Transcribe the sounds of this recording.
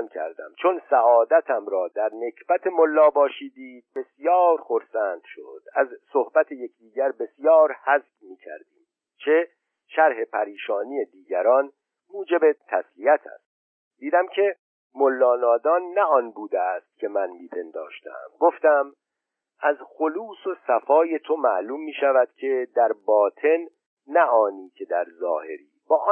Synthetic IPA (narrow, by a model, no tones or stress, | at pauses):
ncʰæ̰ɾd̪æ̰mt͡ʃʰonsæɒːd̪æt̪ʰæmɾɒːd̪æɾne̞cʰb̥æt̪ʰe̞molːɒːbɒːʃiːd̪iːd̪̚be̞sijɒːɾxoɾsæːnd̪̥ʃo̰d̪̥æzsohbæt̪ʰeje̞cʰd̪iːɟæɾbe̞sjɒːɾhæzbmiːcʰæ̰ɾd̪iːm | t͡ʃʰe̞ | ʃæɾɦe̞pʰæɾiːʃɒːnije̞d̪iːɟæɾɒːn | muːd͡ʒe̞be̞t̪ʰæsliæt̪ʰæ̰st̪̚ | d̪iːd̪æmcʰe̞ | molːɒːnɒːd̪ɒːnːæɒːnbuːd̪est̪̚cʰe̞mænmiːpʰe̞nd̪ɒ̰ːʃt̪ʰæ̰mɡoft̪æm | ʔæzxo̞luːsosæfɒːje̞t̪ʰo̞mæ̰ʔluːmːiːʃævæd̪̥cʲʰe̞d̪æɾbɒːt̪ʰe̞nː | æʔɒːniːcʰe̞d̪æɾzɒ̰ːhe̞̰ɾḭːbɒːʔ